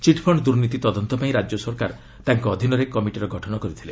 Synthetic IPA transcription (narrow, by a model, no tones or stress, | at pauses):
t͡ʃiʈpʰɔɳɖd̪uɾnit̪it̪ɔd̪ɔnt̪ɔpaĩɾad͡ʒjɔsɔɾkaɾ | t̪aŋkɔːd̪ʱinɔɾekɔmiʈiɾɔɡʱɔʈʰɔnɔkɔɾit̪ʰile